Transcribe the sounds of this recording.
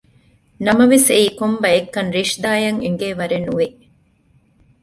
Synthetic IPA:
nɐmɐʋeseiːkombɐekːɐnɾiʂd̪aːjɐŋiŋɡeːʋɐɾenːuʋe

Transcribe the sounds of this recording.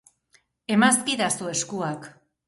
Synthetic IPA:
e̞maskiðasue̞skuak

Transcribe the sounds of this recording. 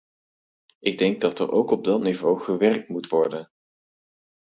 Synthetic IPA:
ʔɪɡ̚dɛŋɡ̚dɑtə̰ɹʔowkɔb̚dɑtnivowχəʋɛrk̚tmutʋɔɹdən

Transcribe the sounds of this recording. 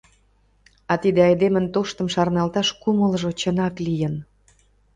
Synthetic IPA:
ɑt̪id̪eɑjd̪emənt̪oʃt̪ə̆mʃɑrnɑlt̪ɑʃkuməlʒot͡ɕənɑklijə̆n

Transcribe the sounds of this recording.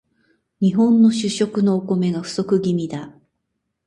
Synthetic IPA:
ɲ̟iɦõ̞nːo̞ɕɨɕo̞kɯ̟no̞ːko̞me̞ɡaɸɯ̟̥so̞kɯ̟ɡʲimʲid̪a

